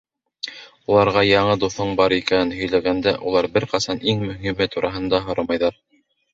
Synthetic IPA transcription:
ulˠɑɾʁɑjɑɴɤd̪uθoɴbɑɾikænɘnɦɵ̆jlæɡænd̪æʔulˠɑɾbɘɾqɑsɑniŋmɵ̆ɦimɘt̪uɾʔɑɦɤ̆nd̪ɑɦŏɾɑmɑjðɑɾ

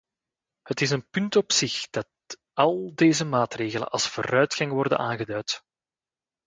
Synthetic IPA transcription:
hətɪsənpʏntɔpsɪxd̥ɑt | ɑlˠdeːzəmaːtreːɣələ̰nɑ̰lˠsfo̰ːɾœɥtxɑŋʋɔrdə̰naːnɣədœɥt

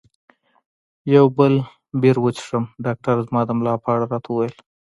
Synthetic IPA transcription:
jawbəl | beɾwət͡ʃʂəmɖɑk̚ʈaɾzmɑd̪əmlɑpəaɽaɾɑt̪ʰauwajəl

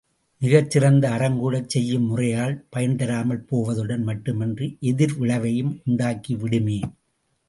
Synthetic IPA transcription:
mɪɣɐt͡ʃːɪrɐnd̪ɐːɾɐŋɡuːɽɐt͡ʃːɛjːɯmːʊrɐjaːɭpɐjɐnt̪ɐɾaːmɐɭpoːʋɐðɯɽɐnmɐʈːɯmɛndrɯʔɛðɪɾʋɪɭɐʋɐjɯmʊɳɖaːkiʋɪɽɯmeːn

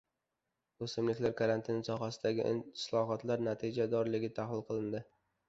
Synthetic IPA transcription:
ɵsɪmlɪkʲlaɾkʰaɾant̪ʰɪnsɒχasɪd̪aɡʲɪ̰slˠɒɦɒt̪laɾnat̪ʰɪd͡ʒad̪ɒɾlɪɡʲɪt̪ʰahlɪlˠqʰɨlˠɪnd̪ɪ

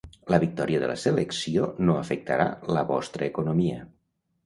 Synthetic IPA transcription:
ləβik̚t̪ɔɾiəðə̰ləsələksionoəfək̚t̪əɾa̰ləβɔst̪ɾəːkunumiə

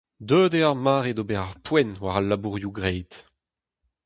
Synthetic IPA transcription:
d̪øːdeaʁmaːʁedobɛʁaʁpwɛnwaʁalːabuʁjuɡʁɛjt̪

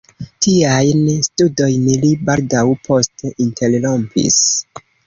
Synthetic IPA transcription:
tiajnstudo̞jnlibaldawpʰo̞steintʰe̞llompḭs

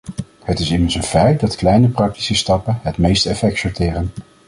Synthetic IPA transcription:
hətɪsɪmənsənfɛjt̚dɑtklɛjnəprɑk̚ti̥səstɑpənɦətmejstəɛfɛktsɔɹtɪːrən

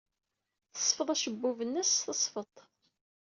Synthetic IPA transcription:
θə̥sˤfəðˤæʃəbːuvənːæsθəsˤfət̪ˤ

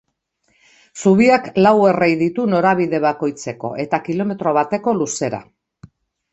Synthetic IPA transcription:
suβ̞iaklawe̞rejðit̪uno̞ɾaβ̞iðe̞βako̞jt͡se̞ko̞̰ʔe̞t̪akilo̞me̞t̪ɾo̞β̞at̪e̞ko̞luse̞ɾa̰

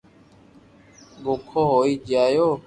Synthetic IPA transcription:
ɠoːkʰoːɦoːiːd͡ʒaːjoː

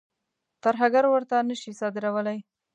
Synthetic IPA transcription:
t̪aɾɦaɡaɾwəɾt̪anəʃisɑd̪ɪɾawəlaj

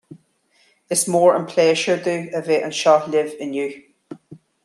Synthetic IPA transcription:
ɪsmɔːɹə̃npʰl̥eːʃə˞d̪ʉːəveːʔə̃nʃɔlɪvɪ̃njʉː

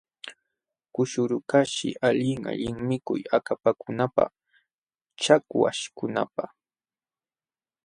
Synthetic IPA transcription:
kʊʃʊɾʊkaʃɪ̰ʔaʎɪŋa̰ʎɪŋmɪkʊ̰jakapakʊnapa̰ | t͡ʃakwa̰ʃkʊna̰pa

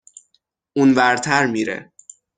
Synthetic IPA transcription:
unvæɾt̪ʰæɾmiːɾḛ

